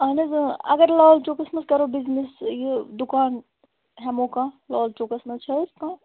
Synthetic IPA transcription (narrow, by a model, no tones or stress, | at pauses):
ɐːnɐzɐ̰ɡəɾlɔːlt͡ʃoːkɐsmɐskɐɾobɪznisjed̪ʊkaːn | ɦɛmõːkãlɔːlt͡ʃoːkɐsmɐzt͡ʃʰɐskãː